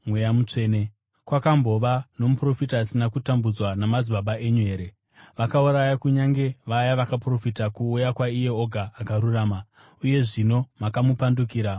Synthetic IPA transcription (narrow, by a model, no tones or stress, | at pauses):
mwejamut͡ʂe̞ːne | kwakambo̞ʋano̞mupro̞fitaːsinakutambud͡zwanamad͡zwaɓaʔe̞ɲue̞ːɾe | ʋakauɾajakuɲaŋɡe̞ʋajaʋakapro̞fitakuːjakwaije̞oɡʱaːkaɾuraːma | uje̞ʐino̞makamupandukiːɾa